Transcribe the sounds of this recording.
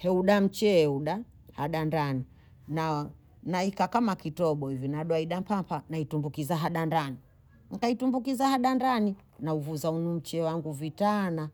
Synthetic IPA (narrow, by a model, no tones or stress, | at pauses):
hɛuɗam̩t͡ʃɛuɗa | haɗandani | na | naikakamakitɔɓɔivinaɗɔaiɗampapanaitumbukizaɦaɗandani | ŋ̩kaitumbukizahaɗandani | nauvuzaunum̩t͡ʃɛwaŋɡuvitana